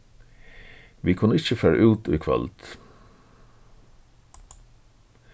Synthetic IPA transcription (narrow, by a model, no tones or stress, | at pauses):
ʋiːkʰʊnːəɪçəfæːɹa̰ʔʉːt̪ʊːkʰʋɛ̰lt̪